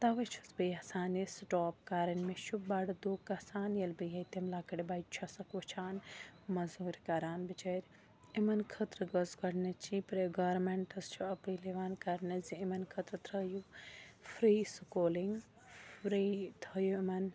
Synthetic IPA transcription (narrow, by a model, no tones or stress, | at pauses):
t̪ɐʋɐt͡ʃʰɐ̥sbɐjɐsaːnesʈoːp̚kaːɾɐnmeʃubbaɽɐd̪oːkːɐsaːnjɐlbɨjɦɐt̪ɐmlaːkɐɽibajt͡ʃʰɐsɐkʋɐt͡ʃʰaːnmɐzuːɾkɐɾaːnbit͡ʃɐɾ | imɐnkʰɐt̪ɾɐɡɐzkɐɽnɐt͡ʃʰipɾeɡɐːɾmeɳʈɐst͡ʃʰuɐpɨjleʋaːnkɐɾnɐziimɐnkʰɐt̪ɾɐt̪ɾɐjufʰɾiːsukoːliŋɡ | fɾiːt̪ʰɐjuimɐn